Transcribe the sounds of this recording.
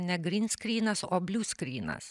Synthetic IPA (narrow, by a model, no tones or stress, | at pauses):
nʲɛɡɾʲɪnʲsʲkɾʲiːnɐsoːbʲlʲuːskɾʲiːnɐ̰s